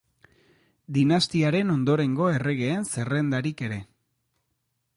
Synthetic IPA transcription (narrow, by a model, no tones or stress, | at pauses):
d̪inast̪iaɾe̞no̞nd̪o̞ɾe̞ŋɡo̞e̞re̞ɣ̞e̞ːnse̞re̞nd̪aɾike̞ɾe̞